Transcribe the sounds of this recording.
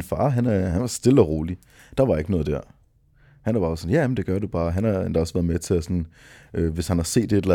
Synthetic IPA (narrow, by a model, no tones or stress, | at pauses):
nfɑ̰̈ːɦænæhænʋɑ̈sd̥e̝ləɒʁo̝ːli | d̥ɑ̈ʋɑe̝ɡ̥nɔːð̞̩ˠd̥æɐ̰ | hænæɐbɑ̈ːsɔ̽njæmen̩d̥e̝ɡ̥ɶɐɾub̥ɑ̈ːɦænhɑ̈end̥ɑ̈ɒsʋæɐðˠmet͡sʰe̝æsɒn | ʔøːʋe̝shænhɑ̈se̝̰ːd̥ed̥elæ